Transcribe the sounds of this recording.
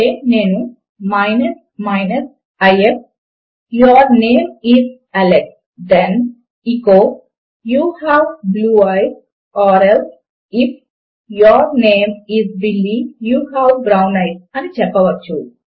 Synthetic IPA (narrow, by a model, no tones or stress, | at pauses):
eːne̞ːnu | mɐjnɐs | mɐnɐs | ɐjep̚ | jɔɾneːmiz | ɐleʈ̚ | d̪ɛn | ikoː | juːhaʋbluːajs | ɔːɾels | ipʰ | jɔɾneːmizbilːijuːhaːwbɾawnɐjsɐnit͡ʃɛpːɐʋɐt͡ʃːu